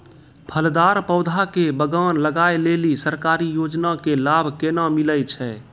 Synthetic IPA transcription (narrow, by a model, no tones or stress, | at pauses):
pʰəld̪aɾpəʊd̪ʱakebəɡanləɡajlelisəɾkaɾijod͡ʒnakelabʱkenamiləjt͡ʃʰɛ